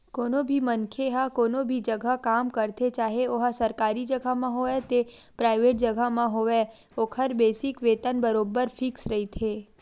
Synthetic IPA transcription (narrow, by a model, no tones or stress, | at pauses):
koːnobʱimənkʰeɦakoːnobʱid͡ʒəɡʱakamkəɾt̪ʰet͡ʃaːɦeoɦasəɾkaɾid͡ʒəɡʱamãɦoet̪epɾajʋeːʈ̚d͡ʒəɡʱamãɦoʋe | okʰəɾbeːsɪkʋeːt̪ənbəɾoːbəɾpʰɪksɾəɦit̪ʰe